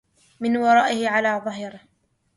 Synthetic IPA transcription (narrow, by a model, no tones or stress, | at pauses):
mɪnwɑɾˤɑːʔɪhɪʕalaːðˤɑɦɪɾ